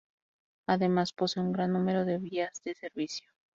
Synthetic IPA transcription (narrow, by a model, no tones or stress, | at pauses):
aðe̞maspo̞seuŋɡɾanːũme̞ɾo̞ðe̞βiazðe̞se̞ɾβisjo